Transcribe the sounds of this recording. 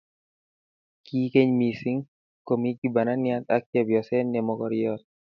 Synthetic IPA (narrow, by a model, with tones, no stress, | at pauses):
ki˦ke˦ɲmi˨si˦ŋ | ko˨mi˦ɡi˦ba˨na˦nja˦t̪a˦k̚t͡ʃɛ˦bjɔ˨sɛ˦nːɛ˨mɔ˨kɔɾjɔt̪̚